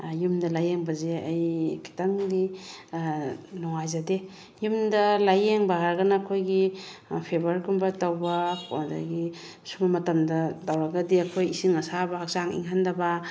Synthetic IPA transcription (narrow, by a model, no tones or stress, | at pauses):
jumdɐlajeŋbɐzeajkʰi̥taŋdi | nɔŋajzade | jumdɐlajeŋbaɦaɾɡɐnaːkʰojɡipʰebaɾɡumbatawbakʰda̰ɡi | sumamɐtɐmdɐdawɾaɡadiakʰojisiŋasabaːk̚zaŋḭŋɦandaba